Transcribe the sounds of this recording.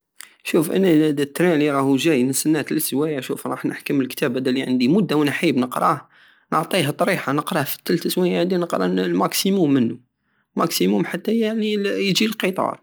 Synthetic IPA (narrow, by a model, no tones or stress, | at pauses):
ʃufʔə̰nːæd̪t̪ːɾæ̃liɾˤɑhuʒæjnəsənːæt̪əlswæjaʃufɾˤɑ̰ħnʔə̰ħkəməlkt̪æbæd̪æliʕənd̪imʊd̪ːawnħəbnəqɾˤɑh | nəʕt̪ˤiɦæt̪ˤɾiħanəqɾˤɑhfə̥t̪ːəlt̪əswæjʕnd̪inəqɾˤɑ̰lmæksimumːənːʊ | lmæksimumħat̪ːæjalijd͡ʒilqət̪ˤɑ̰ɾˤ